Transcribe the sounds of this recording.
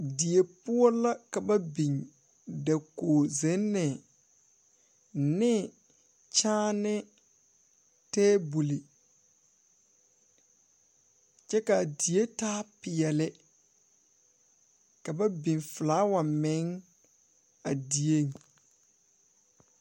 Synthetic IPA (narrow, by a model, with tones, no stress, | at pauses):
di˨e˨pʊ˦ɔ˦la˦ka˨ba˦bi˨ŋ | da˨koː˨zɛ˨˦nːɛ˨ | nɪ˦ | t͡ʃaː˦nɪ˦ | tɛː˦bu˨li˨ | t͡ʃɛ˦ka˨di˨je˦taː˦pɪ˨jɛ˨lɪ˦ | ka˨ba˦bi˨nfɪ˨laː˨˦wa˨mɛ˨˦ŋ | a˨di˨e˦˨ŋ